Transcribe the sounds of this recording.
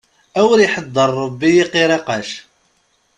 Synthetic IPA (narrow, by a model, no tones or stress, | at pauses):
æwəɾiħəd̪ˤːəɾˤːəbːijiqiɾɑqaʃ